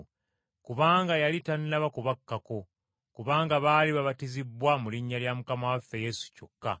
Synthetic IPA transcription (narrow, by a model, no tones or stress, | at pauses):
kuβaːŋɡajalitanːaβakuβakːako̞ | kuβaːŋɡaβaːliβaβatizibwamuliɲːaljamukamawafːeje̞su̥co̞kːa̰